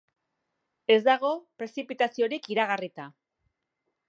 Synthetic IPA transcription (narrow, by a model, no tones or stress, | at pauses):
e̞zd̪aɣ̞o̞pɾe̞sipit̪asio̞ɾikiɾaɣ̞arit̪a